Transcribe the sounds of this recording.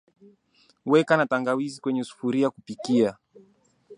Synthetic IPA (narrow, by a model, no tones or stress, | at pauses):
wɛkanataŋɡawizikwɛɲɛusu̥fuɾiakupikia